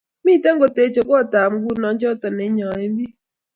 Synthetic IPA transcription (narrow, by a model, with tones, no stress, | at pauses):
miː˦˨te˦ŋ˦ɡo˨te˨˦t͡ʃe˨kɔ˦ɔ˦˨ta˨m̩˨˦ɡu˦nɔ˨˦t͡ʃɛ˦ɔ˦tɔ˨ne˨˦ɲɔ˨e˦m˦bi˦